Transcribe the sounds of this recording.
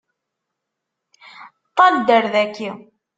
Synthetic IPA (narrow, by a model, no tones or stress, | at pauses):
t̪ˤːɑnd̪əɾðækːi